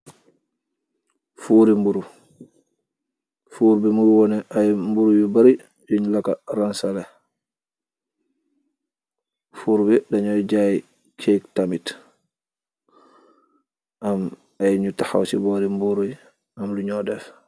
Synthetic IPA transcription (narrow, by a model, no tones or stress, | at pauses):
fuɾimbuɾu | fuːɾbɛmujwɔnɛʔajmbuɾujɔbaɾi | joɲulaka̰ɾansalɛ | fuɾbɛdaɲɔjd͡ʒaji | kʰektamit | ʔam | ajɲutaha̰wsḭbɔɾimbuɾuj | amluɲɔdɛf